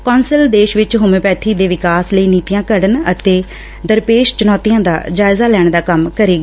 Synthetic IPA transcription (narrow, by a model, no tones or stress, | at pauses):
kɔːnsəld̪eːʃʋɪt͡ʃɦʊːmẽːpɛːt̪ʰiːd̪eːʋɪkaːsləiːniːt̪ijãːkəɽənət̪eː | d̪əɾpeːʃt͡ʃʊnɔːt̪ijãːd̪a̰ːd͡ʒaːɪzaːlɛːɳ̃d̪aːkəmkəɾeːɡaː